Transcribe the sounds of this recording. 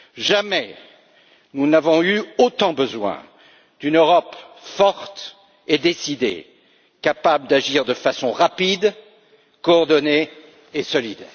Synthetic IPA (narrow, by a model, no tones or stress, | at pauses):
ʒamɛ | nunavɔ̃yot̪ɑ̃bəzwɛ̰̃ | d̪̥ynøʁɔpfɔʁt̪ | ed̪esid̪ḛ | kapabləd̪aʒiʁd̪əfasɔ̃ʁapid̪ | kɔːʁd̪ɔneː | sɔlid̪